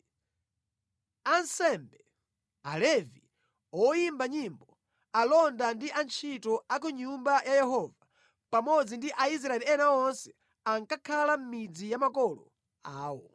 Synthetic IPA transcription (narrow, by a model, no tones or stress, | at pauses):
ansɛmbɛ | alɛvi | ɔjimbaɲimbɔ | alɔndandiʔant͡ʃʰitɔak̬uɲumbajʔajɛɦɔva | pamɔd͡zindiʔais̬ɾaɛliɛnaɔnsɛ̥ | aŋkakʰalam̩mid͡zijamakɔlɔ̰ | aːwɔ